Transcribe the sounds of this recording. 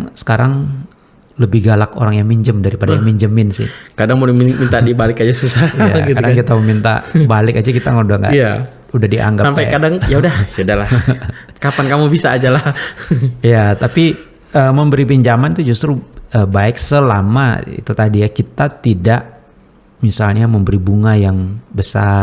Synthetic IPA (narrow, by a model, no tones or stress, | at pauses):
sə̥kaɾaŋ | ləbɪhɡalako̰ɾaŋjaŋmiɲd͡ʒəmdaɾipadajaŋmiɲd͡ʒəmɪnsɪ̰hkadaŋmunmint̪adibalɪkad͡ʒasusaa̰kɡt̪adaŋkit̪aməmint̪a̰balɪkad͡ʒakit̪aŋaudahŋɡa̰jja | udahdiʔa̰ŋɡaampajkadaŋjaudahjudahlah | kapankamubisaːd͡ʒala | ijat̪api | əːməmbəɾipiɲd͡ʒamant̪ud͡ʒust̪ɾuəbaɪk̚səlama̰ḭt̪ut̪adijakit̪at̪idaʔ | misalɲaməmbəɾibuŋajaŋbəsa̰